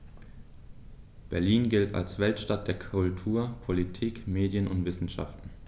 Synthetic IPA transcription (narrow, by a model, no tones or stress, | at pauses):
b̥ɛɐliːnɡɪltʰa̰lsv̥ɛltʃtat̚d̥eːɐkʰʊltʰuːɐpʰolitʰiːkmeːdjənʔʊntv̥ɪsn̩ʃa̰ftn̩